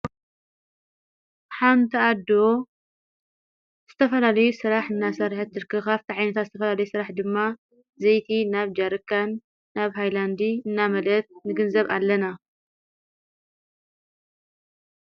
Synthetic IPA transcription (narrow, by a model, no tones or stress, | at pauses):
ħant̪ʰiad̪o | z̥ɨt̪ʰɐfɐlalɐjusɨɾaħɨnːasɐɾħɨt̪ːɨɾkʰɨkaβt̪ʰiʕajnɐt̪ʰat̪zɨt̪ʰɐfɐlalɐjusɨɾaħd̪ɨmːa | zejt̪ʰinaβd͡ʒaɾkːanː | aβɦajland̪iɨnːamɐlɐt̪̚nɨɡɨnzɐβalːɐna